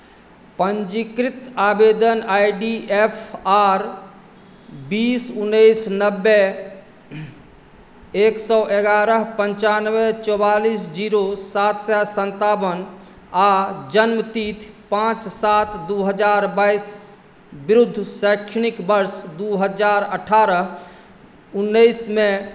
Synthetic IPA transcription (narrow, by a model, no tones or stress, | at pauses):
pənd͡ʒikɾit̪aːbed̪ənajɖiepʰaɾ | biːsunːəjsnəbːɛ | eksɔʔeɡaɾəɦpəɲt͡ʃanwɛt͡ʃɔwalisd͡ʒiːɾosat̪sɛsənt̪abən | ad͡ʒənmət̪iːt̪ʰpãːt͡ʃsaːt̪d̪uɦəd͡ʒaːɾbais | bɪɾud̪ʱːsəɪkʃənikbəɾsd̪uɦəd͡ʒaːɾəʈʰaːɾəɦ | unːəismẽ